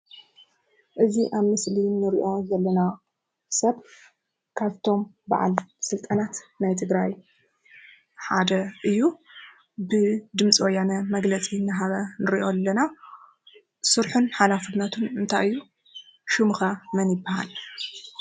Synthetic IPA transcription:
ʔɨziʔaβmɨslinɨɾiʔo̞zɐlːɐna | sɐβ | kʰaβt̪ʰo̞m | ba̰ʕa̰lsɨlt̪ʼɐnat̪najt̪ʰɨɡɾaj | ħa̰d̪ɐʔɨjːu | bɨd̪ɨmt͡sʼiwojːanɐmɐɡlɐt͡sʼinɨɦaβɐnɨɾiʔo̞lːɐna | sɨɾħunħalafɨnɐt̪ʰunɨnt̪ʰajɨjːu | ʃɨmɨxɐmɐnjɪbːaha̰l

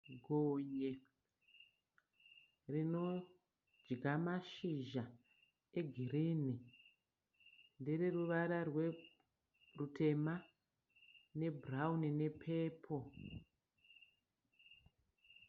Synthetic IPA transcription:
ɡʱoːɲe | rino̞ | d͡ʒɡʱamaʃiʒa | eɡʱiriːni | ndereruʋaɾarwe̞ | rutʰe̞ma | ne̞braunine̞pʰe̞ːpʰo

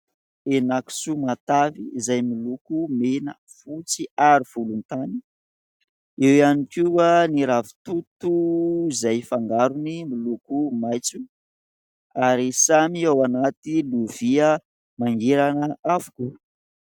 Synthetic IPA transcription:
enaki̥sumat̪avizajmilukumenə̰ | fut͡siaɾiv̥ulunt̪ani̥ | ewanikianiɾavi̥t̪ut̪uizajfaŋɡaɾunimilukumajt͡su | aɾisamiawanat̪iluviə | maŋɡeɾanəavu̥ku

